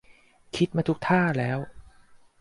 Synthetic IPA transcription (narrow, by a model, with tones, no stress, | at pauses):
kʰi˦˥t̪̚maː˧t̪ʰu˦˥k̚t̪ʰaː˥˩lɛː˦˥w